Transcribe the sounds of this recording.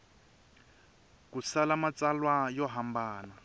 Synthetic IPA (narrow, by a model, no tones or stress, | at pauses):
kusalamat͡salwajɔɦambaːna